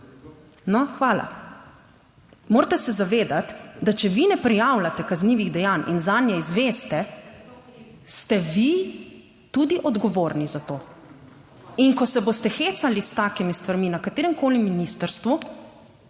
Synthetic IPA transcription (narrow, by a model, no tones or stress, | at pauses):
nɔxʋaːla̰ | moːɾt̪ɛsɛzaʋeːd̪at̪d̪at͡ʃɛʋinɛpɾijaːwlat̪ɛkazniːʋiɣd̪ɛjaːnʔḭnzaːnjɛizʋeːst̪ɛ | st̪ɛʋi | t̪ud̪iʔɔd̪ɡɔʋoːɾnizat̪oː | inkɔsɛbost̪ɛxet̪salist̪aːkimist̪ʋaɾminakat̪eːɾɛmkʰoːlimːinist̪əɾst̪ʋu